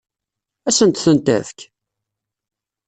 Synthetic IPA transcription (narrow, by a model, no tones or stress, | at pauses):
æsənt̪θənt̪æ̰ðk